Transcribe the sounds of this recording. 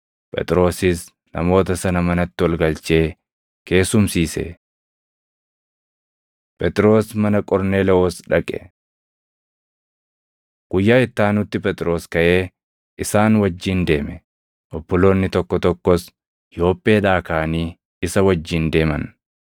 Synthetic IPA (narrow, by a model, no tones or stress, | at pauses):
pʼɛ̰t̪ʼɾo̞ːsɪs | nɐ̰mo̞ːt̪ɐsɐnɐmɐnɐt̪ːɪwɐlɡɐlt͡ʃe̞ː | ke̞ːsʊmsiːsḛ | pʼɛt̪ʼɪɾo̞ːsmɐnɐkʼɔɾneːlɛoːsᶑɐkʼɛ̰ | ɡ̥ʊjːaːɪt̪ːaːnʊt̪ːɪpʼɛt̪ʼɾo̞ːskɐʔe̞ː | ʔɪsaːnwɐd͡ʒːiːnd̪e̞ːmɛ | ʔɔbːɔlo̞ːnːɪt̪ɔkːɔt̪ɔkːɔs | jo̞ːpʼːe̞ːᶑaːkaːniː | ɪsɐwɐd͡ʒːiːnd̪e̞ːmɐ̰n